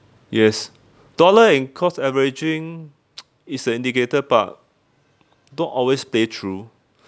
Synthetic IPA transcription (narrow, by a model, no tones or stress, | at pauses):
jɛs | d̥ɔləɛ̃nkʰɔsɛvəɹid͡ʒɪ̃ŋ | isə̃ĩndiketəpa̰t̚ | dõnʔɔlwespletʰɹu